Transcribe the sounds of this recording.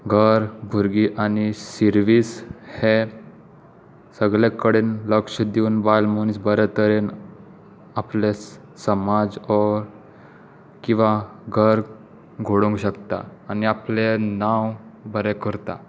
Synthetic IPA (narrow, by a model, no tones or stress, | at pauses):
ɡʱəɾbʱuɾɡiːʔanisiɾʋiːshe | səɡlekəɽenləkʂəd̪iuːnbajlmonisbəɾɛt̪əɾen | aples | səmad͡zɔɾ | kĩʋaɡʱəɾ | ɡʱoɽũŋɡɕəkt̪a̰ːniaplenawbəɾɛkəɾt̪a̰